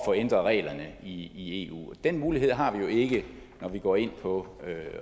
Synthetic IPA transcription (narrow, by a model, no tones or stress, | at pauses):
fɒ̽end̥ʁɐʁɛ̰ːlɐnəiie̝̰ːṵːɒd̥en̰muːliɦe̝ð̰ˠɦɑ̈ʋijo̝e̝ɡ̥ə | nɒʋiɡ̥ɒ̰ːe̝n̰pʰɒ̽ø